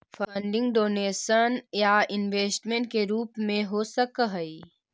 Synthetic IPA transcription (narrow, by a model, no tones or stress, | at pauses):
fʰəɳɖɪ̃ŋɡɖoːneːsənjaɪnʋeːsʈmẽɳʈ̚keɾuːpmẽɦosəkɦəi